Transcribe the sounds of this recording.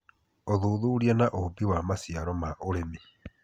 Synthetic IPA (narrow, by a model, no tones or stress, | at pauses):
oðuðuːɾjanaʔobiwamasiaɾɔmaʔoɾemi